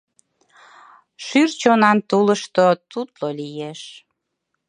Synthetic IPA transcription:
ʃyrt͡ɕonɑnt̪uləʃt̪ot̪ut̪lolijeʃ

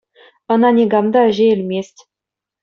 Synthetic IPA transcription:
ɤ̆nɑnʲeɡɑmd̪ɑɘ̆ʑeɘ̆lʲmʲesʲtʲ

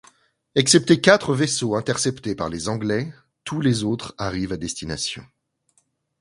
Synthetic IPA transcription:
ɛksɛp̚t̪ekʲat̪χəvesoɛ̃t̪ɛʁsɛpt̪epa̰ʁlezɑ̃ɡlɛ | t̪ʰulezot̪χaʁivad̪ɛst̪ina̰sjɔ̰̃

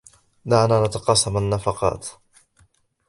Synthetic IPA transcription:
d̪aʕnaːnat̪ɑqɑːsˤɑmanːafɑqɑ̰ːt̪

